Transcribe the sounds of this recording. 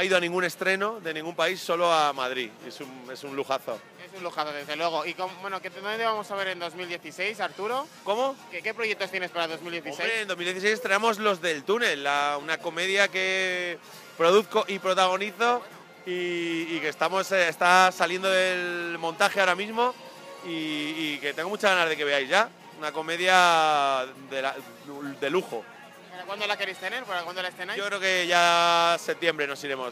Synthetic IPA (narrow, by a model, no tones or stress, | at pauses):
aiðoanĩŋɡune̞st̪ɾe̞no̞ðe̞nĩŋɡumpaisːo̞lo̞amað̞ɾie̞sume̞sunluxaθo̰ | esunluxaθoðezðelwe̞ɣ̞o̞ikobwe̞noketðond̪et̪eβamo̞saβ̞e̞ɾe̞nd̪o̞zmild̪je̞θise̞jsaɾt̪uɾo̞ko̞mo̞kekepɾoje̞k̚t̪ot̪jenespaɾaðozmild̪jeθioseɾeeːnd̪omild̪je̞θisejs̬est̪ɾenamo̞zlo̞zðe̞lt̪une̞lːaunako̞me̞ðjake̞ | pɾo̞ðuθko̞ʔipɾo̞t̪aɣ̞o̞niθo̞ | iːke̞st̪amo̞sest̪asalje̞nd̪oðe̞lmõ̞nt̪axeao̞ɾamizmo̞ | iːke̞t̪eŋɡo̞mut͡ʃazɣanazð̞e̞ke̞βe̞ajzʝa | unako̞me̞ðja | d̪ela | d̪e̞luxo | aakwand̪olakeɾejst̪eneɾkoɾakwand̪olaesθenajokɾe̞oke̞ʝase̞p̚t̪je̞mbɾe̞no̞siɾe̞mo̞s